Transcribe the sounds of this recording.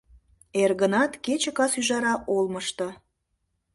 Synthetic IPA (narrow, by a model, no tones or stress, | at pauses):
erɣənɑt̪ket͡ɕə̆kɑsyʒɑɾɑʔolməʃt̪ɤ̆